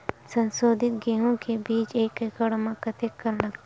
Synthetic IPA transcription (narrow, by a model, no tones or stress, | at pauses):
sɐ̃nsoːd̪ʱɪt̪̚ɡeːɦõkebiːt͡ʃeːkekəɽmãkɐt̪ekːɐɾlɐɡt̪ː